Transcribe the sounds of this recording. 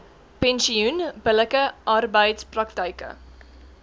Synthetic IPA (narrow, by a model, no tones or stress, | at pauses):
pɛnsiunbələkəʔɐrbəjtsprɐktəjkə̰